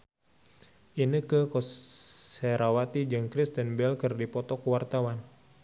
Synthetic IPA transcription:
ʔinikəkɔsɛɾawat̪id͡ʒɨŋkɾist̪ənbɛlkɨrdipɔt̪ɔkəwart̪awan

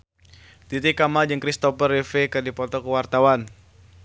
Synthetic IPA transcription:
t̪it̪ikamad͡ʒəŋkɾist̪ɔpərifekədipɔt̪ɔkəwart̪awan

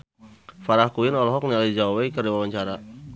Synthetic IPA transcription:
faɾahkuinɔlɔɦɔk̚nialid͡ʒawɛkərdiwawaɲt͡ʃaɾa

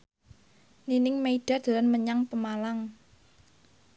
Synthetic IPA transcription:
ninɪŋmeiɖ̥a̤d̪̥a̤lanməɲaŋpəmalaŋ

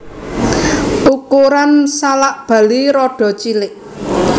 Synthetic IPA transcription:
ʔukuɾansalaʔb̥ä̤liɾɔɖ̥ɔ̤t͡ʃilɪʔ

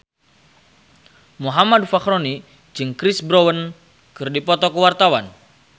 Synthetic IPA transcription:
muɦamadfakɾoni | d͡ʒɨŋkɾisbɾowən | kɨrdipɔt̪ɔkəwart̪awan

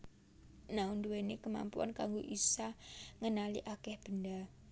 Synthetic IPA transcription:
naund̪uwenekəma̰mpua̰nkaŋɡoʔisaŋənalḭʔakɛhb̥ənda

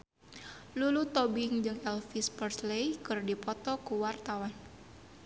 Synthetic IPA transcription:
lulut̪ɔbɪŋd͡ʒɨŋɛlfispərslejkɨrdipɔt̪ɔkuwart̪awan

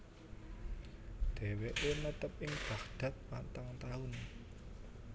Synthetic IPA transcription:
d̪̥ɛ̤weʔenət̪əp̚ʔɪŋb̥a̤hd̪̥ä̤t̪̚pant̪aŋt̪aʊn

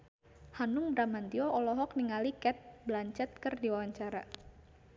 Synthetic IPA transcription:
hanʊŋbɾamant̪iɔɔlɔɦɔk̚niŋalikɛt̪̚blaɲt͡ʃɛt̪̚kərdiwawaɲt͡ʃaɾa

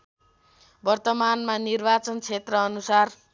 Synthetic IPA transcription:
bʌrt̪ʌmanmanirbat͡sʌnt͡sʰet̪rʌːnusar

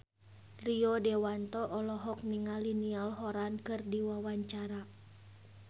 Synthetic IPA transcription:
riɔdɛwant̪ɔʔɔlɔɦɔk̚niŋalinialɦɔɾankɨrdiwawaɲt͡ʃaɾa

